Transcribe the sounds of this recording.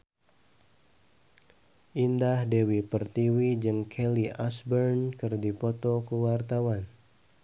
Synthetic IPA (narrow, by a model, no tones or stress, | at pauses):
ʔindahdewipərt̪iwid͡ʒɨŋkʰɛliʔasbərnkɨrdipɔt̪ɔkəwart̪awan